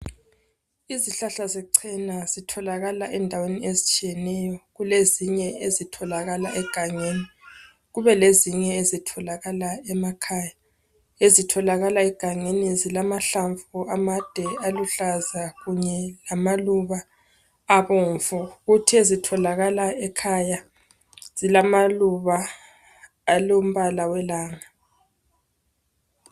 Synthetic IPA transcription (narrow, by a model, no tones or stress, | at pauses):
iziɬaɬazɛǀʰɛnazitʰɔlaɣalaʔɛndʱaweniezit͡ʃʼijɛnɛjɔɣuleziɲɛezitʰɔlaɣalaʔɛɡ̥ʱaŋeni | ɣuβɛleziɲɛezitʰɔlaɣalaɛmakʰaːja | ezitʰɔlaɣalaɛɡ̥ʱaŋenizilamaɬaɱfuamad̥ʱɛaluɬazaɣuɲɛlamaluβaː | βoɱfuɣutʰiezitʰɔlaɣalaɛkʰaja | z̥ilamaluβaː | lom̩βalawɛlaːŋa